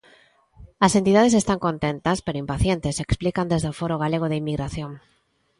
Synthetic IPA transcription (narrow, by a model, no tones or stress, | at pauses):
asent̪iðað̞es̬est̪aŋkõnt̪ent̪aspeɾoimpaθjent̪eseksplikand̪ezðeofoɾoɣ̞aleɣ̞oð̞eimːiɣɾaθjoŋ